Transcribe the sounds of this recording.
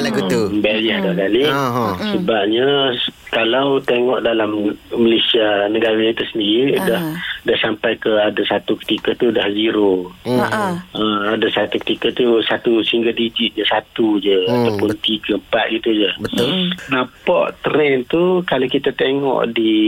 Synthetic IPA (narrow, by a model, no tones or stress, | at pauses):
bɛlɲəd̪ahkalisəbap̚ɲakalawt̪eŋɔʔdalamməlesianəɡaɾait̪usəndiɾidahdahsampajkəadasat̪ukə̥t̪ikat̪udahziɾo | əadasat̪ukə̥t̪ikat̪usat̪usəhiŋɡadid͡ʒit̪̚ɲd͡ʒəsat̪ud͡ʒəat̪awpʊnt̪iɡəmpat̪̚ɡit̪ud͡ʒəənãpɔʔt̪əɾɛnt̪ukalawkit̪at̪eŋɔ̰ʔdi